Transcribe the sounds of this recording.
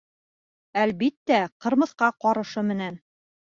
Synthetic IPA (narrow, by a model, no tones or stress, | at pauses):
ælbit̪ːæqɤ̆ɾmɤ̆θqɑqɒɾɤ̆ʃɤmɘ̆næn